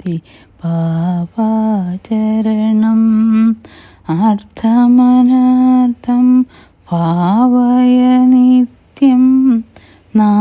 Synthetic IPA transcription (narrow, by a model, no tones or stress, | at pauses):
i | bʱaːʋat͡ɕɐɾɐɳɐm | aɾt̪ʰɐmɐnaɾt̪ʰɐm | bʱaːʋajɐnit̪jɐm | na